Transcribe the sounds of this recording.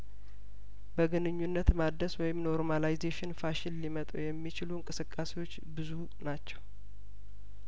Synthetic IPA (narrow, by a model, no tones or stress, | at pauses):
bəɡɨnɨɲːunːət̪mad̪əswɔjɪmno̞ɾmanajzeʃɪnfaʃɪllimət̪ʼṵjɛmːit͡ʃɪluŋkʼɨsɨkʼːasewo̞t͡ʃːbɨzu | nat͡ʃːɛw